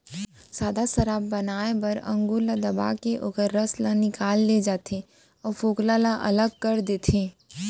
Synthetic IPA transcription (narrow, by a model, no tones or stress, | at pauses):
saːd̪asəɾaːbːɐnaːebɐɾɐ̰̃ŋɡulad̪ɐba̰ːkeʔoːkəɾːəslãnɪkaːlːed͡ʒaːt̪ʰe | ɔːɾfoːklalaʔɐ̰ləɡ̚kəɾd̪eːt̪ʰeː